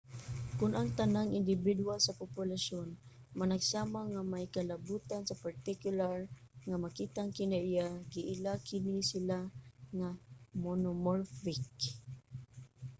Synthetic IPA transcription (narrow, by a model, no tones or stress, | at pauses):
kʊnʔaŋt̪anaŋɪndɪbidualsapʊpʊlaʃon | manaɡsamaŋamajkalabut̪ansapaɾt̪ɪkjʊlaɹ | ŋamakit̪aŋkɪnaijaɡiʔɪlakɪnisilaŋamonʊmoɹfɪk